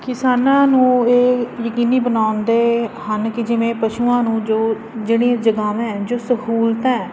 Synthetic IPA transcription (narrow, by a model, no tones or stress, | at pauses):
kɪsaːnãːnũːeːjəkiːniːbənaːnd̪eːhənkɪd͡ʒɪʋẽːpəʃuːãːnũːd͡ʒoː | d͡ʒeːɽĩãd͡ʒəɡaːmɛ̃ːd͡ʒoːsəɦuːlt̪ɛ̃ː